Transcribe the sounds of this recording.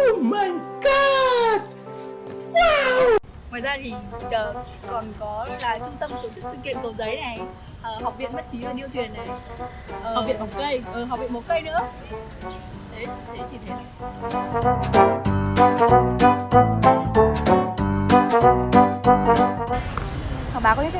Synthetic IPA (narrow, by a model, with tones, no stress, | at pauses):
mə˨˩ŋka˧t̚ | ŋwaː˨˩jzaː˧t̪ʰi˨˩ɓzəː˨˩ | kɔ˨˩nkɔ˨˦la̰ː˧˨˦jt͡ɕʊ˧ŋ͡mt̪ə˧m˨˩so˨˦si˦˥k̚sɨ̰˧˨kḭ˧˨ənk̪ə˨˩wzə˨˦jna˨˩j | ʔəː˨˩ɦa˨˩k͡p̚vḭ˧˨ənmɓə˦˥t̚t͡ɕi˨˦əː˧ɗi˧ət̪ʰwi˨˩ənːe˨˩ | ʔəː˨a˨˩k͡p̚vḭ˧˨nɓə˨˩wkə˧jʔəː˨˩ɦa˨˩k͡p̚vḭ˧˨ɓə˨˦wkə˧jnɨ̰˧˥ə˧˨˩ | t̪ʰe˨˦˧t̪ʰe˨˦t͡ɕi˨˩t̪ʰe˨˦n˨˩ | haː˨˩w̚ɓaː˨˦kɔ˨˦ɲɨ̰˧˥kʰː